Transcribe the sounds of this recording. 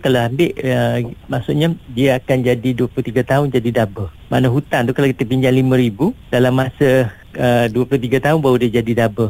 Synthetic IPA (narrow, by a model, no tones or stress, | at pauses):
kalaambɪʔəmaʔsʊʔɲadiəakand͡ʒadiduəplut̪iɡat̪aʊnd͡ʒadidabə | ma̰nəɦut̪ant̪ukalawkit̪əpiɲd͡ʒaŋlimə̃ɾibud̥alamːasə | əduəplʊt̪iɡat̪aʊnbawudiəd͡ʒadidabə